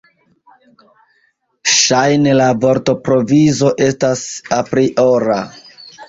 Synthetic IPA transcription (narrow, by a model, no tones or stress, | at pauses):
ʃajnelavo̞ɾto̞pɾo̞vizo̞ʔe̞stasapɾiʔoɾa